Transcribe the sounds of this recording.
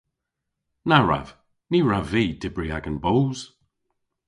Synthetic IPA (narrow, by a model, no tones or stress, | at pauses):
naɹa̰v̥ | niɹaviːd̥ɪbɹiaɡənbowz̥